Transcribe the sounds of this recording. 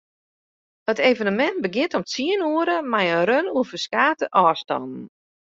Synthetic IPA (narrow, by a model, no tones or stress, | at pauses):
hətejvənəmɛnt̚bəɡɪntɔmt͡siənuəɾəmajənɾønuəfəskaːtəʔɔːstɔ̰nn̩